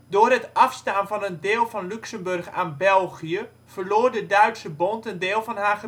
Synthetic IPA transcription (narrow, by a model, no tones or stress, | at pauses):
doːrɦətʔɑfstaːnvɔnəndeːlˠvɑnlyksəmbørχa̰ːnbɛlˠɣijə | vərloːrdədœɥtsəbɔntəndɪːlˠvɔnɦaːχə